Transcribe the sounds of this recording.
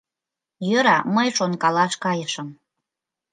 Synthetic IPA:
jøɾɑməjʃonkɑlɑʃkɑjəʃə̆m

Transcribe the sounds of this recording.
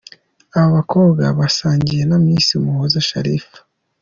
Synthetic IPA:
aβoβakʰoːbɡaβasaːɲɟije̞namiːnsiumuhozaʃa̰ɾifḁ

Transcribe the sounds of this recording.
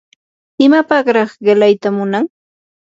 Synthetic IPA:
ɪmapɑɢɾɑχɢɪlajt̪amʊnaŋ

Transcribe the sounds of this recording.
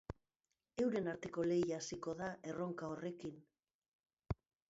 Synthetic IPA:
e̞wɾe̞naɾt̪eko̞le̞jaːsiko̞ðaʔe̞ro̞ŋkao̞re̞kin

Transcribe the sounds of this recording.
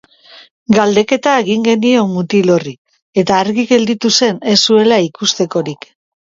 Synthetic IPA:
ɡald̪e̞ke̞t̪aeɣiŋɡe̞nio̞mːut̪ilo̞ri | e̞t̪aːɾɣiɣe̞ld̪it̪use̞ne̞sːue̞laikust̪e̞ko̞ɾik

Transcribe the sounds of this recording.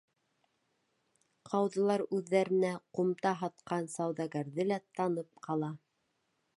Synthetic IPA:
qʰɑwðɤ̆lˠɑɾʉðːæɾɘ̆næqumt̪ɑɦɑt̪qɑnsɑwðɑɡæɾðɘlæt̪ɑnɤp̚qɑlˠɑ

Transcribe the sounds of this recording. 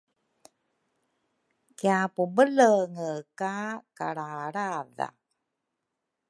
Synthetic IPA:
kjapubələŋəkaka̰ɽaɽaða̰

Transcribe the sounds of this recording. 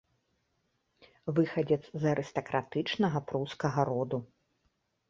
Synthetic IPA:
vɨxɐd͡zʲɛd̪zzɐɾʔɨst̪ɐkɾʔat̪ɨt͡ʂnɐɣɐpɾuskɐɣɐɾɔd̪u

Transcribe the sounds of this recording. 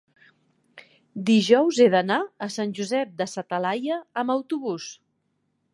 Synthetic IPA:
d̪iʒɔwzeðənaəsanʲʒuzɛp̚d̪əsət̪əlajəːməwt̪uβus

